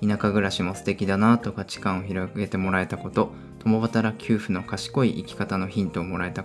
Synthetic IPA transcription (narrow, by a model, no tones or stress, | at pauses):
inakaɡɯ̟ɾaɕimo̞sɨ̥t̪e̞kʲid̪anat̪o̞kat͡ɕi̥kãɰ̃o̞çiɾoɡe̞t̪e̞mo̞ɾae̞t̪ako̞t̪o̞ | t̪o̞mo̞βat̪aɾakʲʰɨːɸɯ̟no̞kaɕi̥ko̞iʔikʲi̥kat̪ano̞çĩnt̪oːmo̞ɾae̞t̪a